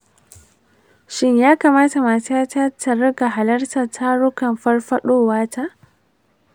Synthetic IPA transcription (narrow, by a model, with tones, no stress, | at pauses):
ʃɪ˦ɲjaː˦kaː˨maː˦ta˨maː˨sa˦ta˦tʰɐ˨ɾɐ˦ɡa˨ɦa˨lɐ˦rta˨tʰa˦ɽʊ˦kɐ˨mɸɐ˦rɸɐ˦ɗoː˦˨waː˦tʰa˦ʔ